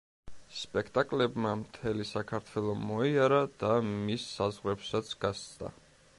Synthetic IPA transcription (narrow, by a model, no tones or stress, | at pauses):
spʼɛkʰt̪ʼakʼlɛbmamt̪ʰɛlisakʰaɾt̪ʰwɛlˠɔmɔiaɾad̪amisːazʁwɾɛpsat̪sʰɡ̥ast̪d̪a̰